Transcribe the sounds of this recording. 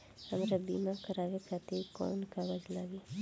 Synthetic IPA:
həmɾabiːmakəɾaːʋekat̪ekɔ̰ːnkabəd͡ʒlaːʋi

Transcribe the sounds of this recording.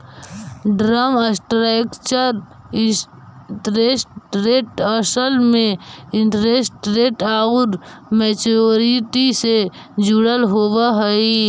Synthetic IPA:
ɖɾaməsʈɾakt͡ʃəɾ | ʈɾesʈɾeːʈəsəlmẽɪnʈɾesʈɾeːʈaːʊɾmeːt͡ʃoɾiʈise | d͡ʒuɽəlɦoːwaɦəi

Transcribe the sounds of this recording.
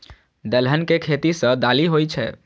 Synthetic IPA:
d̪əlɦənkekʰet̪isə̃d̪aliɦojt͡ʃʰɛ̰

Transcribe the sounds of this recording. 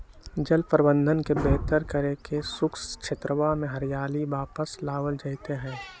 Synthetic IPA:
d͡ʒəlpəɾbə̃nd̪ʱənkebɛːt̪əɾkəɾekesʊkskʃʰet̪ɾəʋamẽɦɐɾjaːliʋaːpəslaːwəld͡ʒaːɪt̪eɦɛ̃ː

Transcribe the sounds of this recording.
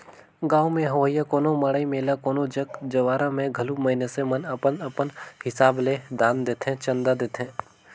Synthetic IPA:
ɡaːumẽɦɐʋəjːakoːnomɐɽaːimeːlakoːnod͡ʒəkd͡ʒɐʋaːɾãmẽɡʱɐlumɐɦɪnesemənɐpənəpənhɪsaːbled̪aːnd̪eːt̪ʰẽt͡ʃə̃nd̪ad̪eːt̪ʰẽː

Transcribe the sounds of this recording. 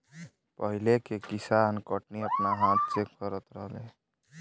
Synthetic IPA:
pəɦilekekisankəʈniəpnaɦãt̪̚t͡ʃekkʌɾət̪ɾʌɦbe

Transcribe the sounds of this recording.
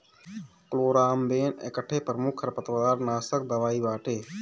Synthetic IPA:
ploːɾaːmbeːnḛkəʈʰːeːpɾəmʊkʰəɾpət̪ɾəd̪aːɾnaːsəkd̪əʋaːibaːʈʰeː

